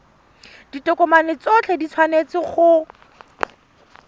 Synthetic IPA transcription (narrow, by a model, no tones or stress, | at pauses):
d̥itɔkʼɔmanɪt͡sɔt͡ɬʰɛdit͡sʰwanet͡sɪχʊ